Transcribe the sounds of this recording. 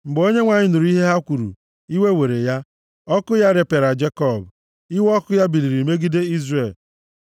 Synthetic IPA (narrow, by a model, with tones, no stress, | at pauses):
m̩˨ɡ͡bo˦ɲe˦ŋʷa˨ɲɪ˦nu˨ɾu˨˦i˦ɦe˦ɦa˦kʷu˨ɾṵ˨ | i˦we˦we˨ɾe˨ja˦ | ɔ˦kʊ˦ja˦ɾe˨pe˨ɾa˨d͡ʒe˦kɔ˦˨b | i˦wɔ˦kʊ˦ja˦bi˨li˨ɾi˨me˦ɡi˦de˦i˦zre˦˨l